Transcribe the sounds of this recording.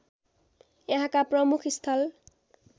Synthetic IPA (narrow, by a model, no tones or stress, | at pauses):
eɦakapɹɔmukʰist̪ʰal